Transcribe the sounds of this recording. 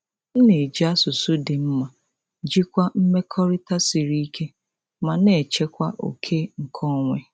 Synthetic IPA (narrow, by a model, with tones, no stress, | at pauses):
n̩˦ne˨d͡ʒi˨˦a˦sʊ˨sʊ˦dɪ˨m̩˦ma˨ | d͡ʒi˦kʷa˦m̩˦me˦kʰɔ˦ɾi˦ta˦si˨ɾi˦i˦kʰe˦ | ma˨ne˨t͡ʃe˦kʷa˦ʔo̰˨kʰe˦ŋ̩˨kʰɔ˦ŋʷe˦